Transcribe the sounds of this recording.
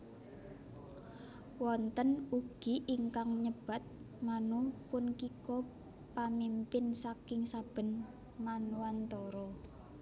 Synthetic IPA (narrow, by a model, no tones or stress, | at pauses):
wɔnt̪ənuɡ̥iʔiŋkaŋɲəb̥a̤t̪̚ | manupʊnkikɔ | pamimpɪnsakɪŋsab̥ə̤n | manuwant̪ɔɾɔ